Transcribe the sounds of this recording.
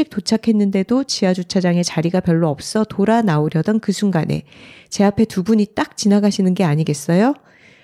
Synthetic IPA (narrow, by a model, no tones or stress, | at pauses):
ik̚t͈ot͡ɕʰakʰe̞nːɯnde̞dot͡ɕiad͡ʑut͡ɕʰad͡ʑaŋe̞t͡ɕaɾiɡapjʌɭːoʌp̚s͈ʌtoɾanaoɾjʌdʌnkɯsʰuŋɡane̞̰t͡ɕe̞apʰe̞tubuɲit͈ak̚t͡ɕinaɡaɕʰinɯnɡe̞aɲiɡe̞s͈ʌjo